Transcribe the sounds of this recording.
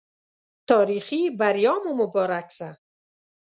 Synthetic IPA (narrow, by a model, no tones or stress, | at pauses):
t̪ʰɔːɾiχibaɾjɔːmumʊbɔːɾaksa